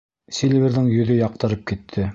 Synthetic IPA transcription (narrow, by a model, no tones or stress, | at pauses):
sʲilʲvʲeɾðɘŋjɵ̆ðɵjɑq̚t̪ɤ̆ɾɤp̚kit̪ʰːɘ